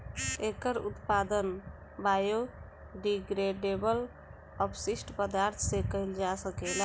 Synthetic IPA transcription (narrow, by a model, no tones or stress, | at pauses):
ekəɾut̪pad̪ən | bajo | ɖiɡɾeɖebəl | əpsisʈʰpəd̪aɾt̪ʰsekəɪld͡ʒasəkela